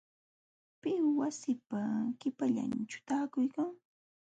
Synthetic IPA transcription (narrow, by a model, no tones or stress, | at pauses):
pɪwasɪpakɪpaʎa̰nt͡ʃʊ̥t̪aːkʊjkaŋ